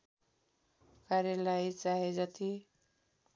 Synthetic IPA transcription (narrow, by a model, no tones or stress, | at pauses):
kaɾjalajt͡saɦed͡zʌt̪i